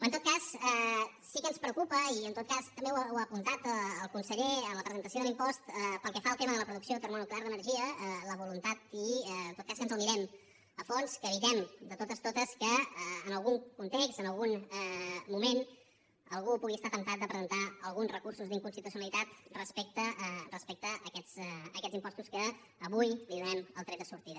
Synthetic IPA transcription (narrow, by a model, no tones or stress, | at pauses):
ənt̪ot̪kasə | sikənspɾəukupəiənt̪ot̪̚kast̪əmbeawəpunt̪at̪əːlˠkunsəʎeələpɾəzənt̪əsioðəlimpɔst̪əpəlˠkɛfaəlˠt̪eməðələpɾuðuksioðət̪ərmonukleaɾðənərʒiələβulunt̪at̪int̪ot̪̚kasənzəlniɾɛm | əfonskəβit̪ɛmd̪ət̪ot̪əst̪ot̪əskəəːnəlˠɣuŋkunt̪ekst̪ənəlˠɣunɛmumen | əlˠɣupuɣiəst̪at̪ənt̪at̪̚d̪əpɾəzənt̪aəlˠɣunzrəkuɾsuzðiŋkunsit̪usiunəlit̪at̪rəspɛk̚t̪ərəspɛk̚t̪əəkɛzəkɛd͡zimpɔst̪uskəː | βujliðunɛməlˠt̪ɾɛd̪əsuɾt̪iðə